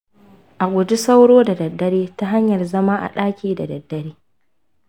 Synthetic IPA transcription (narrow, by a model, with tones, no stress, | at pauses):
ʔa˨ɡʷʊ˨du˦sa˦wɽoː˦da˨dɐ˨dːɐ˦ɽeː˦ta˦ɦa˦ɲjɐ˨rzɐ˦maː˦ʔa̰˨ɗaː˦kʲiː˦da̰˨dɐ˨dːɐ˦ɾeː˦